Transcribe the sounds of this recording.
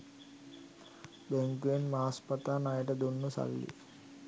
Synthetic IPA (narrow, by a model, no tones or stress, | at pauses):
beŋkuenmaɦaspət̪aːnajəʈəd̪unːusa̰lːḭ